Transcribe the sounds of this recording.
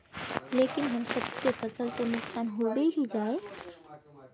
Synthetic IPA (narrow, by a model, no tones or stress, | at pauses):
lekinɦəmsəbkepəsəlt̪ənuksanɦobeɦid͡ʒae